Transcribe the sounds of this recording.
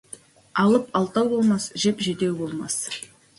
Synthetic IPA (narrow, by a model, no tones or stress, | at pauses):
ɑlˠəpɑlˠt̪ɑwbo̞lˠmɑsʒepʒet̪ewbo̞lˠmɑ̰s